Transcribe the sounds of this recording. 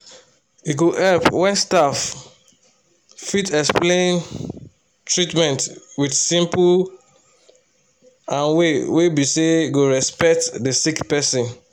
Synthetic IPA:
iɡoʔɛlpwɛ̃nstaf | itɛksplẽn | tʰɹitmɛ̃ntwidsĩmpu | ãnwewebiseɡoɹɛspɛk̚tdəsikpɛsĩn

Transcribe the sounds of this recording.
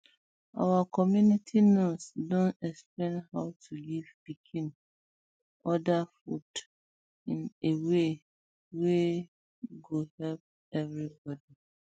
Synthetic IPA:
a̰wakʰɔmjunitʰinosdõntɛksplẽnhaʊtʰulivbikʰĩn | ɔdafṵd | ĩnewe | we | ɡohɛlp̚ | ɛvɹibɔdi

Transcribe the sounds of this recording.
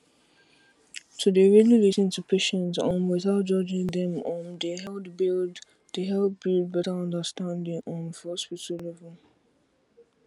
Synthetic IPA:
tʰudeɹililisə̃ntʰupʰeʃə̃ntsə̃nwɪθaʊt̚d͡ʒɔd͡ʒɪ̃ŋðɛ̃mə̃ndəɦɛldbild | deɦɛlb̥ild̚bɛtəɔ̃ndəstãndɪ̃ŋʔɔ̃nhɔspitəllɛvəl

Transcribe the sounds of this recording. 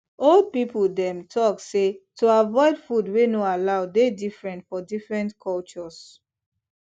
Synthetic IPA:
ɔld̚pipuldɛ̃mtʰɔksetʰuavɔɪdfudwenoalaʊdedifɹɛ̃ntfɔdifɹɛ̃ntkʰɔlt͡ʃɔs

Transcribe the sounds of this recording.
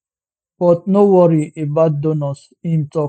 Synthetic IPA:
b̥ɔt̚nowɔɾiʔebat̚d̪onɔs | ĩmtɔ

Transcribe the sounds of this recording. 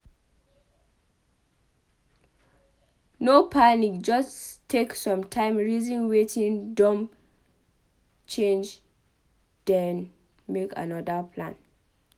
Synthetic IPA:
nopʰanik̚d͡ʒɔstʰːeksɔ̃mtʰãɪ̃mɹizĩnwetĩndɔ̃m | t͡ʃẽnd͡ʒ | d̥ɛ̃n | meka̰nɔdapʰlã̰n

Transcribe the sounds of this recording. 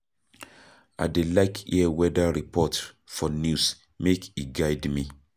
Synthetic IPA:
ʔa̰delaɪkʰḭwɛdaɹipʰɔt | fɔnjus | mekiɡaɪdmi

